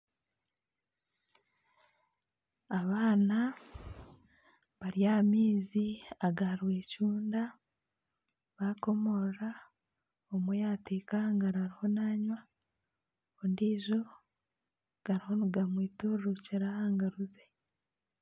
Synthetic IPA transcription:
aβaːna | βaɾijamiːziaɡaɾwe̞ːcuːnda | βako̞mo̞ɾa | omwejaːtekaŋɡaɾaɾiho̞naːɲwa | ondiːʒo | ɡ̥aɾiho̞nuɡamwiːtuɾɾuciɾahaːŋɡaɾuze

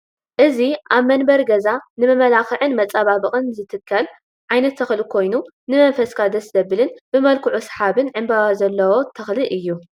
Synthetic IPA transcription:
ʔɨziʔaβmɐnbɐɾɡɐzanɨmɐmɐlaxɨʕɨnmɐt͡sʼaβabɨχʼɨnzɨt̪ʰɨkʰːɐl | ʕajnɐt̪ʰːɐxlɨkʰo̞jnu | nɨmɐɱfɐskʰad̪ɐszɐβɨlɨnb̥ɨmɐlkʰuʕusħaβɨnʕɨmbaβazɐlːɐwo̞t̪ʰɐxlɨʔɨjːu

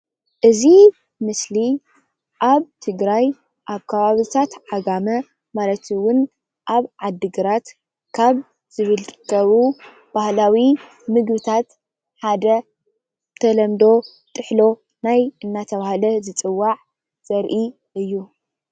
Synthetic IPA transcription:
ʔɨzi | mɨsli | ʔaβt̪ʰɨɡɾaj | ʔaβkʰɐβaβɨt̪ʰat̪ʕaɡamɐ | malɐt̪ʰwʊn | ʔaβʕad̪ːɨɡɨɾat̪ | kʰaβ | z̥ɨβɨlkʰɐβu | b̥ahlawi | mɨɡbɨt̪ʰat̪ | ħad̪ɐ | t̪ʰɐlɐmd̪o̞ | t̪ʼɨħlo̞ | najʔɨnːat̪ʰɐβahalɐzɨt͡sʼɨwːaʕ | z̥ɐɾʔi | ʔɨjːu

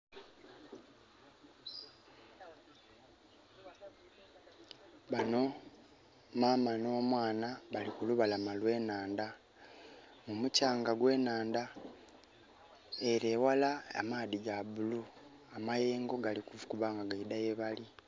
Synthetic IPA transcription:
βano̞ | maːmano̞ːmwaːnaβalikuluβalamalwe̞ːnaːnda | mumucaːŋɡaɡwe̞ːnaːnda | eɾe̞ːwalaa̰maːðiɡaβulu | amaje̞ːŋɡo̞ɡalikuvukuβaːŋɡaɡaidajeβali

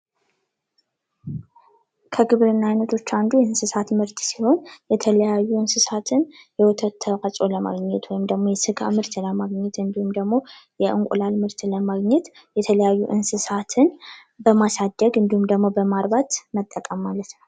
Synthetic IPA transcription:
kʰəɡɨβɾɨnːajɪnət̪ʰo̞t͡ʃːand̪ujɛɨnsɨsat̪mɨɾt̪siho̞njɛt̪ʰələjajːuɨnsɨsat̪ʰɨnjɛwɔt̪ʰət̪ʰːəasʼo̞ləma̰ɡɲɛt̪ʰwɔjɪmd̪əɡmo̞jɛsɨɡʰa̰mɨɾt̪ləmaɡɲɛt̪ɨnd̪ihumd̪əɡmo̞jɛʔɨŋkʷʼṵlalmɨɾt̪ləmaɡɲɛt̪ | jɛt̪ʰələjajːuʔɨnsɨsat̪ʰɨn | bəmasad̪ːəɡɨnd̪ihumd̪əɡmo̞bəmaɾbat̪mət̪ʼːəkʼəmːalət̪nəw

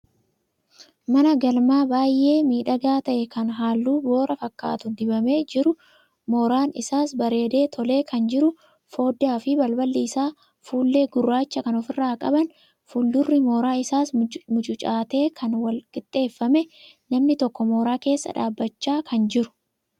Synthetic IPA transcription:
mɐnɐɡɐlmaːbaːjʔe̞ːmiːᶑɐɡaːt̪ɐʔɛkɐnɦaːlːuːbo̞ːɾɐfɐkːa̰ːt̪ʊd̪ɪbɐme̞ːd͡ʒɪɾʊ | mo̞ːɾaːnɪ̰saːsbɐɾe̞ːd̪e̞ːt̪ʰɔle̞ːkʰɐnd͡ʒɪɾʊ | fo̞ːd̪aːfɪbɐlbɐlːiːsaː | fuːlːe̞ːɡʊrːaːt͡ʃːɐkɐnɔfɪrːaːkʼɐ̰bɐn | fuːld̪ʊrːɪmo̞ːɾaːɪsaːsmʊt͡ʃʼʊt͡ʃʼaːt̪e̞ːkʰɐnwɐlkʼɪt̪ʼːe̞ːfːɐmɛ | nɐmnɪt̪ɔkːɔmoːɾaːke̞ːsːɐ̰ᶑa̰ːbːɐt͡ʃːaːkʰɐnd͡ʒɪɾʊ̥

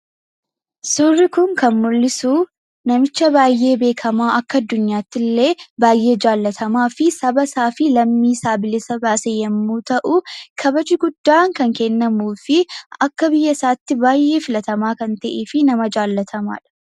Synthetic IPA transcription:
surːɪkʊŋkɐnmʊlːɪsuː | nɐmɪt͡ʃːɐbaːjʔe̞ːbe̞ːkʰɐmaːʔɐkːɐɐd̪ːʊɲːaːt̪ːɪlːe̞ːbaːjʔe̞ːd͡ʒaːlːɐt̪ʰɐmaːfɪsɐbɐsaːfɪlɐmːiːsaːbɪlɪsɐbaːsejɛmːuːt̪ɐʔʊkʰɐbɐd͡ʒɪɡʊd̪̥ːaːŋkɐŋkɛnːɐmuːfɪɐkːɐbɪjːɐɪsaːt̪ːɪbaːjːʔe̞ːfɪlɐt̪ɐmaːkɐnt̪ɐʔeːfɪnɐmɐd͡ʒaːlːɐt̪ʰɐma̰ːᶑɐ̥

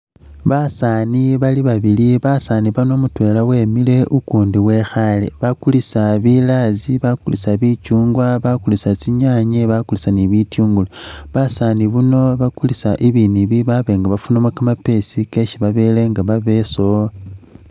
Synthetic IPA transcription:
βasaniβaliβaβiliβasaniβano̞mutwe̞ːlawe̞ːmile̞ʔukuːndiwe̞xalḛβakulisaβilaziβakulisaβit͡ʃuːŋɡwaβakulisat͡siɲaɲeβakulisaniβitjuːŋɡuloβasaniβuno̞βakulisaʔiβiniβiβaβe̞ŋɡaβafunomwakamape̞sike̞ʃiβaβe̞ːle̞ŋɡaβaβe̞so

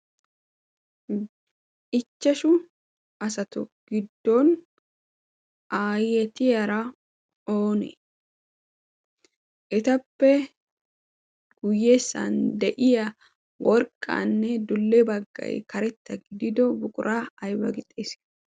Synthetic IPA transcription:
ɪt͡ʃːɐʃʊ | ɐsɐt̪ʊɡ̥ɪd̪ːɔn | ʔaːjɛt̪ɪjɐɾɐ | oːnɛ̰ | ʔɛt̪ɐpːɛ | ɡ̥ʊjːeːsːa̰nd̪ɛʔɪjɐ | wʔɔɾkʼːa̰nːɛd̪ʊlːɛbɐɡːɐ̰jkɐɾɛt̪ːɐɡɪd̪ɪd̪ɔbʊkʼʊɾʔaːɐjwɐɡɪt̪ʼːeːs

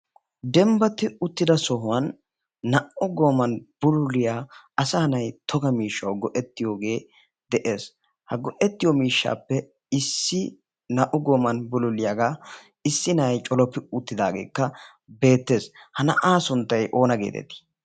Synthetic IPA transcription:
d̪ɛmbɐt̪ːɪʊt̪ːɪd̪ɐsɔɦʊwɐnː | ɐʔʊɡo̞ːmɐnb̥ʊlʊlɪjaːɐsɐhɐnɐjt̪ʰɔɡɐmiːʃːɐwɡɔʔɛt̪ːɪjo̞ːɡe̞ː | d̪ɛʔe̞ːs | hɐɡɔʔɛt̪ːɪjɔmiːʃːa̰ːpːɛ | ɪsːɪ | nɐʔʊɡo̞ːmɐnbʊlʊlɪjaɡaː | ɪsːɪnɐjt͡ʃʼɔlɔpːɪʊt̪ːɪd̪aːɡe̞̰ːkːɐ | be̞ːt̪ːe̞ːshɐnɐ̰ʔaːsʊnt̪ːɐjʔo̞ːnɐɡḛːt̪ɛ̰t̪ɪ̥

